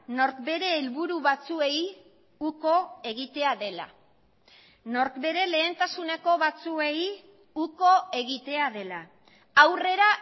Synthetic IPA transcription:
no̞ɾkbe̞ɾe̞ːlβuɾuβat͡sue̞j | uko̞e̞ɣ̞it̪e̞aðe̞la̰ | no̞ɾkbe̞ɾe̞le̞ːnt̪asuneko̞βat͡sue̞j | uko̞e̞ɣit̪e̞aðe̞la | awre̞ɾa

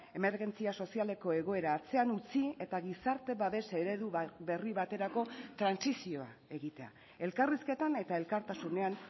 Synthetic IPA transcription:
e̞me̞ɾɣe̞nt͡siaso̞siale̞ko̞e̞ɣ̞o̞e̞ɾaːt͡se̞anut͡sie̞t̪aɣisaɾt̪e̞βaβe̞se̞ɾe̞ðuβe̞riβat̪e̞ɾako̞t̪ɾansisio̞a̰e̞ɣit̪e̞a̰ | e̞lkariske̞t̪ane̞t̪ae̞lkaɾt̪asune̞an

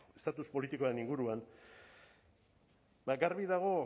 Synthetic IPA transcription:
est̪at̪uspo̞lit̪ikoaɾe̞niŋɡuɾuan | baɡaɾβiðaɣ̞o̞

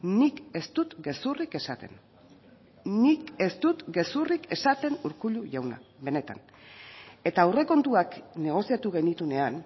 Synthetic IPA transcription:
nike̞st̪ut̪ɡe̞surike̞sat̪e̞̰n | nike̞st̪ut̪ɡe̞surike̞sat̪e̞nuɾkuʎuʝawna̰be̞ne̞t̪a̰n | e̞t̪aːwre̞ko̞nt̪uakne̞ɣ̞o̞sijat̪uɣe̞nit̪une̞an

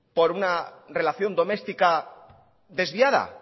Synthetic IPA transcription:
po̞ɾunare̞laθjo̞nd̪o̞me̞st̪ika | ðe̞zβiaða̰

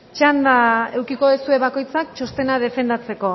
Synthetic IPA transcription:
t͡ʃand̪ae̞wkiko̞ðusue̞βako̞jt͡sak̚t͡ʃo̞st̪e̞nað̞e̞fe̞nd̪at͡se̞ko̞

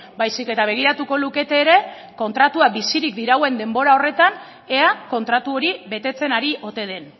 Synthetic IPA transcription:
bajsike̞t̪aβ̞e̞ɣ̞iɾat̪uko̞luke̞t̪eːɾe̞ | ko̞nt̪ɾat̪uabisiɾikd̪iɾawe̞nd̪e̞mbo̞ɾao̞re̞t̪an | e̞ako̞nt̪ɾat̪uo̞ɾiβe̞t̪e̞t͡se̞naɾiʔo̞t̪e̞ð̞e̞n

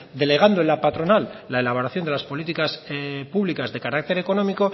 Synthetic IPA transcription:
d̪e̞le̞ɣ̞and̪oenlapat̪ɾo̞nalːaelaβ̞o̞ɾaθjond̪elaspo̞lit̪ikaspuβlikazðe̞kaɾak̚t̪e̞ɾe̞ko̞no̞miko̞

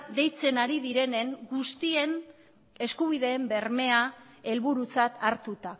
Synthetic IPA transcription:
d̪e̞jt͡se̞naɾiðiɾe̞ne̞ŋɡust̪ie̞n | e̞skuβ̞iðe̞ːmbe̞ɾme̞a | e̞lβuɾut͡sat̪aɾt̪ut̪a

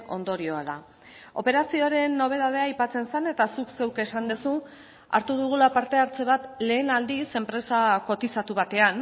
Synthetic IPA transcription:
o̞̰nd̪o̞ɾio̞aða̰ | o̞pe̞ɾasioɾe̞nːo̞β̞e̞ð̞að̞e̞aːjpat͡se̞nsane̞t̪asukse̞wke̞sand̪esu | a̰ɾt̪uðuɣ̞ulapaɾt̪e̞aɾt͡se̞β̞at̪le̞ːnald̪ise̞mpɾe̞sako̞t̪isat̪uβ̞at̪e̞an

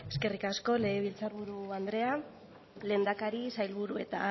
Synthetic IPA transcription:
e̞ske̞rikasko̞le̞ɣeβ̞ilt͡saɾβuɾuand̪ɾe̞a | le̞ːnd̪akaɾisajlβuɾue̞t̪a

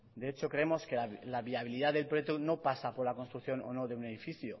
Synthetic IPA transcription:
d̪e̞et͡ʃo̞kɾe̞emo̞ske̞alaβiaβ̞iliðaðe̞lpɾojet̪ono̞pasapo̞ɾlako̞nst̪ɾukθjo̞no̰no̞ðe̞une̞ðifiθjo

